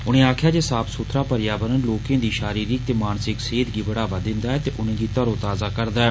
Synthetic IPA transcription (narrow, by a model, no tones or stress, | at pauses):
ʊnẽːaːkʰjaːd͡ʒeːsaːpʰsʊt̪ʰɾaːpəɾjaːbənənloːkẽːd̪iːʃaːɾiːɾɪk̚t̪eːmaːnsɪkseːd̪ɡibəɽaːbad̪ɪ̃nd̪aːɛːt̪eːʔʊnẽːd̪iːt̪əɾõːt̪aːzaːkəɾd̪aːɛː